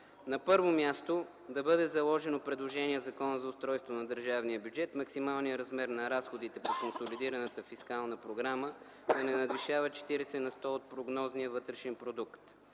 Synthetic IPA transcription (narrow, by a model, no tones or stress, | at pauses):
nɐpɤɾvomʲjast̪o | d̪ɐbɤd̪ɛzɐlˠɔʒɛnopɾɛd̪lˠoʒɛniɛvzɐkɔnəzɐʊst̪ɾɔjst̪vonɐd̪əɾʒavnijəbjud͡ʒɛt̪mɐksimalˠnijəɾɐzmɛɾnɐɾasxod̪it̪ɛpokonsolid̪iɾɐnət̪əfiskalˠnəpɾoɡɾamə | d̪ɐnɛnɐd̪viʃavət͡ʃɛ̥t̪iɾɛsɛnɐst̪ɔot̪̚pɾoɡnɔzniəvɤt̪ɾɛʃɛnpɾod̪ukt̪